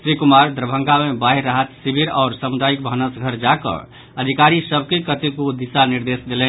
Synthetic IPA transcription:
sɾikumaɾd̪ɾəbʱə̃ŋɡamebaɦiɾːaɦət̪sibʱiɾɔ̰ʊɾsəmud̪aik̚bʱənəsɡʱəɾd͡ʒakə̰ | əd̪ʱikaɾisəbʱkekət̪ikud̪isaniɾd̪esd̪elɛn

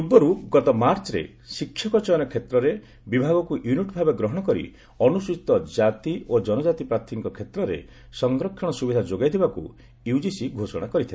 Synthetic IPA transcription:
ubːɔɾuɡɔt̪ɔmaɾt͡ʃɔɾḛ | sikʰːjɔkɔt͡ʃɔjɔnɔkʰet̪ɾɔɾe | bibʱaɡɔkuʔjuniʈbʱabeɡɾɔɦɔɽ̃ɔkɔɾḭ | ɔnusit̪ɔd͡ʒat̪iod͡ʒɔnɔd͡ʒat̪ipɾat̪ʰiŋikɔkʰet̪ɾɔɾḛ | sɔŋɡɾɔkʰːɔɽ̃ɔsubid̪ʱad͡ʒoɡajd̪ʰʱibakṵ | iud͡ʒisiɡʱosɔɽ̃akɔɾit̪ʰila

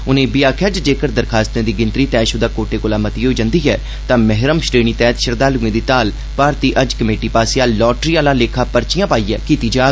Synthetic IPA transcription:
ʊnẽːbɪjaːkʰjaːd͡ʒd͡ʒeːkəɾd̪əɾkʰaːst̪ẽːd̪iːɡɪ̃nt̪ɾiːt̪ɛːʃʊd̪aːkoːʈeːkoːlaːmət̪iːɦoːiːd͡ʒə̃nd̪iːɦɛː | t̪ãːmɛɦɾəmsʈeːɳ̃iːt̪ɛːt̪ʃəɾd̪aːlũːẽːd̪iːt̪aːl | paːɾt̪iːʔəd͡ʒkəmeːʈiːpaːseaːlɔːʈɾiːaːlãːleːkʰaːpəɾt͡ʃɪjãːpaːiːɛːkiːt̪iːd͡ʒaː

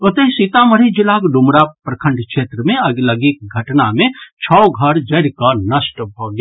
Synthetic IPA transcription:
ʊt̪eɦsit̪aməɾid͡ʒɪlakɖʊmɾapɾəkʰə̃ɳɖkʃeːt̪ɾəmẽɐɡləɡik̚ɡʱɐʈnamẽt͡ʃʰɔɡʱəɾd͡ʒɐɾkanəsʈəbʱoɡja

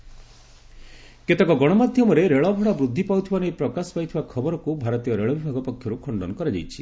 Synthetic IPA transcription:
ket̪ekɔɡɔɽ̃ɔmad̪ʱjɔmɔɾeɾeɭɔbʱɔɽabɾud̪ʱːipawt̪ʰibanejpɾɔkasɔ̥pajt̪ʰibakʰɔbɔɾɔkubʱaɾɔt̪ijɔɾeɭɔbibʱaɡɔpɔkʰːjɔɾukʰɔɳɖɔnɔkɔɾad͡ʒa̰jt͡ʃʰi

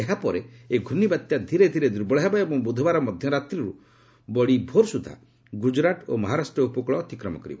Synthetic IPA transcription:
eɦapɔɾeeɡʱunibat̪jad̪ʱiɾed̪ʱiɾed̪uɾbɔɭɦebaebɔŋbud̪ʱɔbaɾɔmɔd̪ʱjɔɾat̪ɾiɾu | bɔɭibʱoɾsud̪ʱa̰ | ɡud͡ʒɾaʈomɔɦaɾasʈɾɔupɔkɭɔːt̪ikɾɔmɔ̰kɔɾibɔ

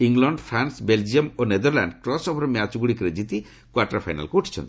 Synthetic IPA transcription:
iŋlɔɳɖpʰɾansbeld͡ʒiomoned̪ɔɾla̰ɳɖkɾɔsɔpʰɔɾmjat͡ʃɡuɽikɾed͡ʑit̪i | kwaɾʈɾapʰajna̰lkeuʈʰi̥t͡ʃʰɔ̰nt̪i̥

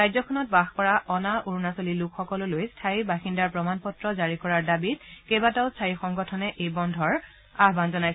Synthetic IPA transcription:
ɹajzɔkʰɔnɔt̚baxpɔɹaʔɔnaʔuɹunasolilukʰxɔkɔlʊlojstʰaɹibaxindaɹpɹɔmanpɔtɹɔzaɹikɔɹaɹdabit̚kebataʊstʰaɹixɔŋɡɔtʰɔnɛʔejbɔndʱɔɹ | aɦbanzɔnajs

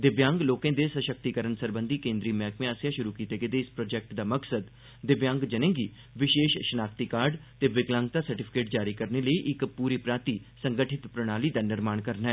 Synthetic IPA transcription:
d̪ɪbjãːŋɡloːkẽːd̪eːsəʃək̚t̪ikəɾənsəɾbə̃nd̪iːkẽːnd̪ɾiːmɛːkʰmẽaːsjãːʃʊɾuːkiːt̪eːɡeːd̪eːɪspɾoːd͡ʒɛːk̚ʈd̪aːməksəd̪ | d̪ɪbjãːŋɡd͡ʒənẽːɡiː | ʋɪʃeːʃʃənaːkt̪ikaːɾɖt̪eːʋɪɡlãːŋɡ̚t̪aːsəɾʈɪpʰɪ̥keːʈ̚d͡ʒaːɾiːkəɾneːləiːʔɪkpuːɾiːpɾaːɾt̪iːsəŋɡəʈʰɪt̪pɾəɽ̃aːliːd̪aːnɪɾmaːɳkəɾnɛː

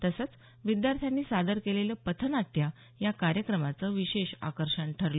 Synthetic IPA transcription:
t̪əsət͡s | ʋid̪jaɾt̪ʰjanːiːsad̪əɾkeleljəpət̪ʰənaʈːja | jakaɾjəkɾəmat͡səʋiɕeɕa̰kəɾɕəɳʈʰəɾlo

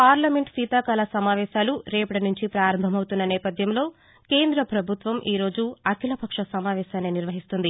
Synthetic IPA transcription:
paːɾlɐme̞ɳʈsiːt̪aːkaːlɐsɐmaːʋɛːʃaːluɾeːpɐʈinuɲt͡ʃipɾaːɾɐmbʱɐmɐwut̪unːɐnɛːpɐd̪ʱjɐmlo̞ː | keːnd̪ɾɐpɾɐbʱut̪ʋɐmʔiːɾo̞ːd͡ʒuɐkʰilɐpɐkʂɐsɐmaːʋɛːʃaːneːniɾʋɐɦist̪und̪i

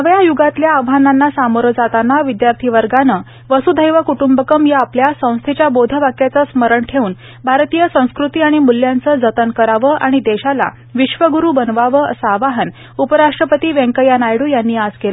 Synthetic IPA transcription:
əʋjajuɡat̪ljaːʋɦananːasamoɾəd͡zat̪anaʋid̪jaɾt̪ʰiʋəɾɡanəː | ʋəsud̪ʱəjʋəkuʈumbəkəmjaapljasə̃w̃st̪ʰet͡ɕjabod̪ʱəʋakjat͡səsməɾəɳʈʰeuːn | bʱaɾt̪iːjəsə̃w̃skɾut̪iːaɽ̃imulːjant͡səd͡zət̪ənkəɾaʋəʔaɽ̃id̪eɕala̰ | ʋiɕʋəɡuɾuːbənʋaʋəəsəːʋaɦən | upəɾaʂʈɾəpət̪iːʋẽŋkəjanajɽuːjanːiːad͡zkel

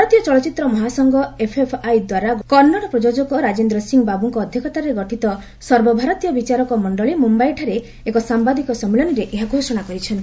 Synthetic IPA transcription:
bʱaɾɔt̪ijɔt͡ʃɔɭɔt͡ʃit̪ɾɔmɔɦasɔŋɡɔepʰepʰajd̪waɾaɡkɔnːɔɽ̃ɔpɾɔd͡ʒod͡ʒɔkɔɾad͡ʒend̪ɾɔsiŋbabuŋkɔːd̪ʱjɔkɔt̪aɾeɡɔʈʰit̪ɔ | sɔɾbɔbʱaɾɔt̪ijɔbit͡ʃaɾɔkɔmɔɳɖɔɭimumbajʈʰaɾe | ekɔsambad̪ikɔsɔmilɔniɾeʔeɦaɡʱosɔɽ̃akɔɾit͡ʃʰɔnt̪i

